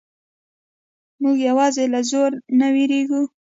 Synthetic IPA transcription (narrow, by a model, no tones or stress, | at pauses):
muɡjawɑzelazoɾnawiɾeɡu